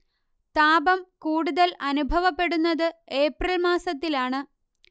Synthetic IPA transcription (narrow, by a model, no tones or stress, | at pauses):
t̪aːbɐmkuːɽuðɐlɐnubʱɐʋɐpːe̞ɽunːɐðɨe̞ːprɐlmaːsɐt̪ːilaːɳɨ